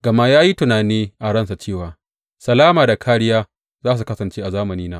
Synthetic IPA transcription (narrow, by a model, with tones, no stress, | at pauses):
ɡɐ˨ma˦jaː˦ji˦tʊ˨naː˨niː˦ʔa˨ɽɐ˦nsa˨t͡ʃeː˦˨waː˨ | sɐ˨laː˦maː˨da˨kʰaː˦ɽɪ˦jaː˦ | zaː˦s̬u˨kɐ˦sɐ˨nt͡ʃeː˦ʔa˨zaː˦mɐ˨niː˦naː˦ʔ